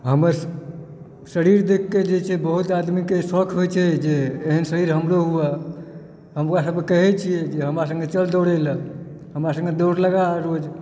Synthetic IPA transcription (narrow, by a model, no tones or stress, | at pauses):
ɦəməɾ | səɾiɾd̪ekʰːed͡ʒet͡ʃʰɛbəɦut̪ad̪mikesəkʰɦojt͡ʃʰɛd͡ʒeːɦənsəɾiɾɦəmɾoɦuɛ | ɦəmkasəb̚kekəɦɛt͡ʃʰijɛd͡ʒeɦəmɾas̬ə̃ŋɡet͡ʃəld̪oɽɛlə | ɦəmɾasə̃ŋɡed̪oɾləɡaɾod͡ʒ